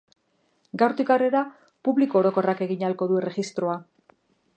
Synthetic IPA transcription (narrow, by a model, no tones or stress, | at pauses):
ɡawɾt̪ikareɾa | puβlikoːɾo̞ko̞rake̞ɣiɲalko̞ðuere̞ɣist̪ɾo̞a